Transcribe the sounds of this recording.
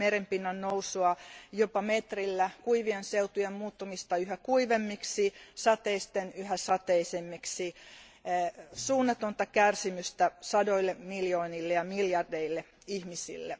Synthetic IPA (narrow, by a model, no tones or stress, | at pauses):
meɾempinːænousuɑjopɑmet̪rilːækuiʋienseut̪ujemmuːt̪ːɑmist̪ɑyhækuiʋemːiksisɑt̪eist̪enyhæsɑt̪eisemːiksi | suːnːɑt̪ont̪ɑkærsimyst̪æsɑdoilːemiljoːnilːejɑmiljɑrdeilːe | ihmisḭlːe